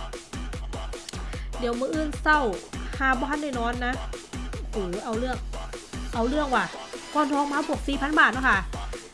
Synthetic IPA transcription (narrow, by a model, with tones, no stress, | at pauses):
di˨˦əwmɯː˧˦ʔɯː˧˥˩nsa˧˥˩whaː˧˩bɔː˧kʰa˧˥nːaː˧˩nɔː˧˥˨nːa˦˥huː˨˩ʔa˧˩wlɯ˥˩əŋ̚ʔa˧˩wlɯ˥˩əŋwaː˧˩kɔː˧˩nt̪ʰɔː˧˨ŋmaː˧˥˩pʰu˧˩ək̚siː˨˩pʰa˧˥˨nbaː˨˩t̪̚nɔ˧˥˩kʰa˧˥˨